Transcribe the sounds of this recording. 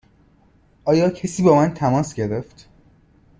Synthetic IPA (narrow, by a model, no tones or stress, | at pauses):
ʔɒːjɒːcʰesiːbɒːmænt̪ʰæmɒːsɟe̞ɾeft̪